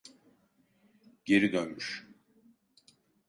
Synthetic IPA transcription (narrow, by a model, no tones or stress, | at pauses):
ɟ̥e̞ɾid̪ønmyʃ